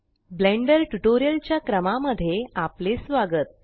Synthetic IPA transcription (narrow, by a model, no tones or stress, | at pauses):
blẽɳɖəɾʈuʈoɾijəlt͡ɕjakɾəmaməd̪ʱːjeaplesʋaɡət̪̚